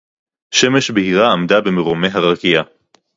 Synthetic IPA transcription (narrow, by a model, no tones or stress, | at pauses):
ʃe̞me̞ʃbehiʁaːmd̪abemeʁome̞ɦaʁakija